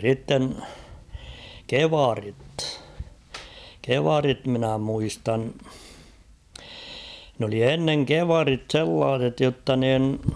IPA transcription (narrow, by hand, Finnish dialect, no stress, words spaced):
sitːen keʋɑrit keʋɑrit minæ muistɑn n oli enːeŋ keʋɑrit selːɑːs̞et jotːɑ niːn